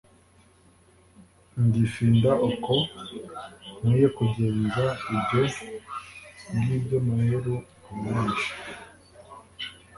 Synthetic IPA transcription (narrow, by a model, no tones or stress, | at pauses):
nɟifiːndaʔuko | miːjekuɟe̞ːnzaibɟo | bɡiːbɟomaheɾu | umiːnʃi̥